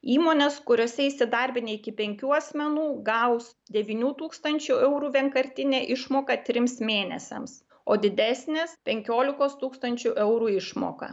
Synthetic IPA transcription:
iːmoːnʲeskʊɾʲoːsʲɛɪsʲɪd̪ɐɾʲbʲɪnʲeɪkʲɪpʲɛŋʲkʲuːɐsʲmʲɛnuːɡɐʊs | d̪ʲɛʋʲiːnʲuːt̪uːkst̪ɐnʲt͡ʃʲuɛʊɾuːʋʲiɛŋkɐɾʲt̪ʲɪnʲeːʔɪʃmoːkɐt̪ʲɾʲɪmsmʲeːnʲɛ̰sʲɛ̰ms | oːd̪ʲɪd̪ʲæsʲnʲeːspʲɛŋʲkʲoːlʲɪkoːst̪uːkst̪ɐnʲt͡ʃʲuʔɛʊɾuːɪʃmo̰ːkɐ̰

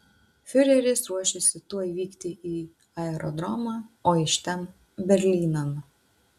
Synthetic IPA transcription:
fʲʊɾʲɛɾʲɪsɾuɔʃʲɪsʲɪt̪uɔiʋʲiːkt̪ʲɪʔiː | ɐɛɾʔɔd̪ɾɔmɑːoːɪʃt̪ʲɛn | bʲɛɾʲlʲiːnɐn

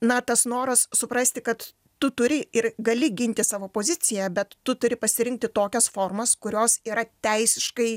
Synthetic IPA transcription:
nɐt̪ɐsnoːɾɐssʊpɾɐsʲt̪ʲɪkɐt̪ː | ʊt̪ʊɾʲɪɪrɡɐlʲɪɡʲɪnʲt̪ʲɪsɑːʋoːpoːzʲɪt̪t͡s̪ʲɪjɛbʲɛt̪ːʊt̪ʊɾʲɪpɐsʲɪɾʲɪŋk̚t̪ʲɪt̪oːkʲɛsfoːrmɐskʊɾʲoːsiːɾɐt̪ʲɛɪsʲɪʃkɐɪ

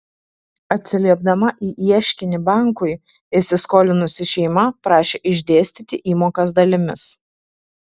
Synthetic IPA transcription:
ɐt̪ʲsʲɪlʲiɛb̚d̪ɐmɐʔiːʔiɛʃʲkʲɪnʲɪbɑˑŋkʊɪ | ɪsʲɪskoːlʲɪnʊsʲɪʃʲɛɪmɐpɾɑːʃʲeːʔɪʒʲd̪ʲeːsʲt̪ʲiːt̪ʲɪʔiːmoːkɐs̬d̪ɐlʲɪmʲɪs

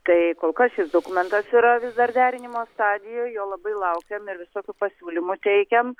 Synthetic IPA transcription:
t̪ɐɪkoːlˠkɐsʃʲɪsd̪oːkʊmʲɛnt̪ɐsiɾɐʋʲɪsd̪ɐɾd̪ʲæːɾʲɪnʲɪmoːst̪ɑːd̪ʲɪjoːjjoːlˠɐbɐɪlˠɐʊkʲɛmɪɾʋʲɪsoːkʲʊpɐsʲuːlʲɪmʊt̪ʲɛɪkʲɛm

